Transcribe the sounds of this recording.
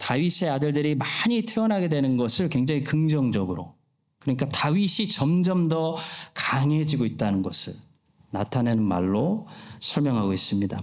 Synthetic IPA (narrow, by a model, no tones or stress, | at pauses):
taɥisʰe̞adɯɭdɯɾimaɲitʰe̞wʌnɦaɡe̞dwenɯnɡʌsʰɯɭkweŋd͡ʑaŋikɯŋd͡ʑʌŋd͡ʑʌɡɯɾo | kɯɾʌɲik͈ataɥiɕʰit͡ɕʌmd͡ʑʌmdʌkaŋe̞d͡ʑiɡoit̚t͈anɯnɡʌsʰɯɭ | natʰanenɯnma̰ɭːosʰʌɭmjʌŋɦaɡois͈ɯmɲida